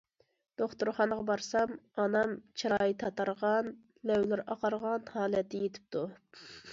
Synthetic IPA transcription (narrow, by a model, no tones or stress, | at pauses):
d̪̥oχt̪uɾχɑnəʁɑbɑɾsɑmɑnɑmt͡ʃʰiɾɑːjit̪ʰɑt̪ʰɑɾʁɑn | lɛwlɪɾɑqɑɾʁɑnhɑːlɛt̪ʰːɪjet̪ʰɪ̥p̚t̪ʰu